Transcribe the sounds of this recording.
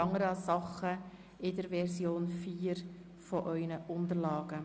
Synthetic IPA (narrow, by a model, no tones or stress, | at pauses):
ɑŋəɾəɑssɑχə | ɪdəɾʋɛɾsjoːnfiːɾ | fɔʔœʏnəʔʊndərlɑːɡ̥ə